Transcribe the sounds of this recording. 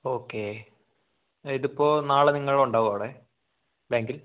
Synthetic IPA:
oːkːe | iðipːo̞ːnaːɭɨniŋːɐɭuɳɖaːʋuoːɽeː | baːŋɡil

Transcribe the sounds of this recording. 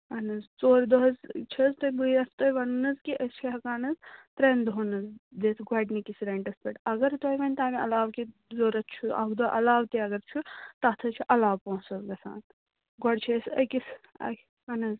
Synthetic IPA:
ɐnɐzt͡soːɾd̪oɦɐzt͡ʃʰɐzt̪ɐbuiɐst̪ojʋɐnunɐzkiʔɐst͡ʃʰiɦɐkaːnɐzt̪ɾend̪onɐzd̪eːt̪ʰɡɐʈnikisɾɐɳʈɐspʲeʈɐɡɐɾt̪ojʋɐnʲt̪aːmiɐ̰laːʋkizoːɾɐt̪t͡ʃʰuɐ̰ɡd̪oʔɐ̰laːʋt̪iɐɡɐɾt͡ʃʰut̪ɐt̪ʰɐt͡ʃʰiʔɐlaːʋpõːsɐzɡɐsa̰ːn | ɡɔɽt͡ʃʰesɐ̰kisɐ̰ | ɐnɐz

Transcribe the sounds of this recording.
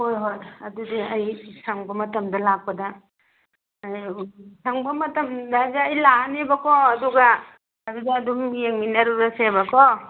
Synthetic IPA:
hojɦojɐ̰dudiɐjsʰɐŋbɐmɐtɐmdɐlak̚pɐdɐ | jsɐŋbɐmɐtɐmdaɐzaːjlaɦanebɐkoɐduɡɐː | dudaɐdumjeŋminɐɾuɾɐseβɐko

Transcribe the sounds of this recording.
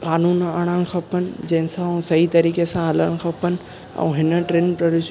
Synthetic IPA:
kaːnuːnaːɽ̃aɽ̃̆xʰɐpənɪ̆d͡ʑɐ̃ɦɪ̃sãũsɐɦit̪ɐɾiːkesãɦɐləɽ̃̆xʰɐpənɪ̆ | ɛ̰̃ːɦɪnə̆ʈɾẽːnpɾɐɾʊʃ

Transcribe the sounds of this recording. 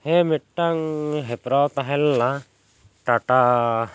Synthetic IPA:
hɛmiʈʈaŋɦɛpɾawt̪aɦɛlːa | ʈaʈa

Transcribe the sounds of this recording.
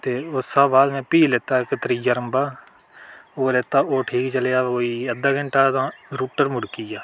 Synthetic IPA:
t̪eːʊsaːbaːd̪mɛ̃ːpiːleːt̪aːɪkt̪əɾijaːɾəmbaː | oːleːt̪aːʔoːʈʰiːkt͡ʃəleːaːkoːiːəd̪aːɡɪɳʈaːt̪ãːɾuːʈəɾmʊɽkiːjaː

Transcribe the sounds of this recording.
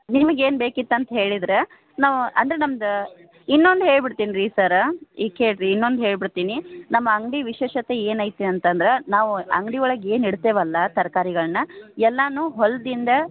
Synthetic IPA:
nimɐɡe̞ːnbeːkit̪ːɐnt̪ɐɦe̞ːɭid̪ɾe | naːʋuɐ̰nd̪ɾenɐmɐd̪ɐ | inːond̪ɦe̞ːɭbiɽt̪iːniɾiːsɐɾɐiːkeːɭɾinːond̪ɦe̞ːɭbiɽt̪iːninɐmːɐːŋɡɖiʋiʃeːʃɐt̪eeːnaːjt̪eɐnt̪ɐnd̪ɐɾenaːʋuɐ̰ŋɡɽiɔɭɐɡeːniɽt̪eːʋɐlːɐt̪ɐɾkaːɾiɡɐɭɐnɐɛlːaːnuːɦold̪ind̪ɐ

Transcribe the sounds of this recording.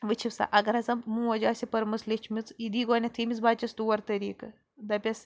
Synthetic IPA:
ʋɨt͡ʃʰisa̰ːʔɐɡɐɾɐzɐmmũːʋɐd͡ʒaːsʲipɐɾmɨslʲit͡ʃʰmit͡sid̪iːɡoːnʲɐt̪ʰimit͡sbaːt͡ʃɐsd̪uːɐɾt̪ɐɾiːkɐ | d̪ɐpʲɐs

